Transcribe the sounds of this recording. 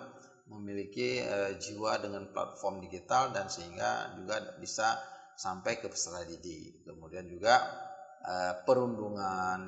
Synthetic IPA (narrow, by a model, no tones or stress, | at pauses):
məmilikiəd͡ʒiwadəŋanpla̰t̪̚fɔrmdiɡit̪aldansəɦiŋɡa̰d͡ʒuɡabisa | sampajkəpə̥saladidi | kəmudiand͡ʒuɡa | ʔəpəɾunduŋan